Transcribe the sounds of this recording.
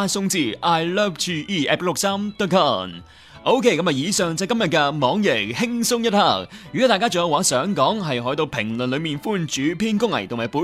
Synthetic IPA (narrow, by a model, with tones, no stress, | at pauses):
a˥sʊ˥ŋt͡siː˧˩ʔaː˧˥jlɛː˥p̚tʰiː˧˥ʔiː˥˩ʔɛ̰ː˦˥p̚lʊ˨k̚saː˥mt̪ɔː˥kʰɔː˥˩n | ʔo˥wkʰe˥˩kɐ˨˧mɐ˨˩jiː˨˧sœː˨ŋt͡sɐ˧˥˧kɐ˥mjɐ˨t̚kɛ˧mɔː˨˥ŋjɪ˨˩k̚hɪ˥ŋsʊ˥ŋjɐ˥t̚ha˧˩k̚jy˨kɔ˨˥t̪aː˨jkaː˥t͡so˨jɐ˧waː˨˥sœː˨˥ŋkɔː˨˥ŋɦɐ˨jɦɔ˨˥jt̪o˧wpʰɪ˨˩ŋlnlɵ˨˧miː˨˩nfuː˥nt͡ʃyː˨˥pʰiː˥nkʊ˥ŋlɐ̰˨˩jt̪ʰʊ˨˩mhaː˨˩puː˨˧˥